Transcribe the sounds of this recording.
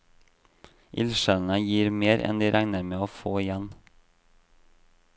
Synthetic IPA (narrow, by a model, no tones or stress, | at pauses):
ʔɪ̰lʃəlnəjiːɾmeːɾʔɛ̰nd̪ɪɾʔæŋnəɾmeːoːfoːɪjɛn